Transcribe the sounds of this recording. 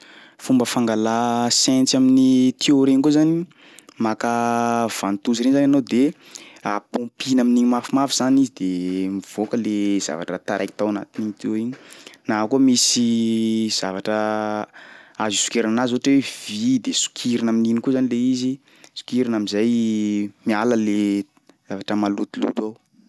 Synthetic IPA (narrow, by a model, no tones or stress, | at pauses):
fumbəfaŋɡalasɛ̃nt͡sjaminit̪ʰioɾeɲkuzani | makəv̥ant̪uziɾenzananod̪e | apõmpinaminiɲimafimafiz̥anizid̪emiv̥okəlez̥a̰va̰ʈ͡ʂət̪aɾʔajki̥t̪awana̰t̪iniɲt̪oeɲi̥naakumisiz̥avaʈ͡ʂə | azisu̥keɾananazuʈ͡ʂwev̥id̪esu̥kʰiɾinamininikuzanileizi | su̥kiɾinamizaj | mialəle | zavaʈ͡ʂəmalut̪ilṵt̪a